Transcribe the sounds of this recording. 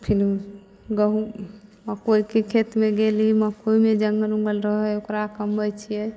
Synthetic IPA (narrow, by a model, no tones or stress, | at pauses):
pʰiɾ | ɡəɦuməkoikekʰet̪mẽɡeliməkoimed͡ʒəŋɡəlũɡəlɾəɦɛokɾakəmbʱəjt͡ʃʰiɛ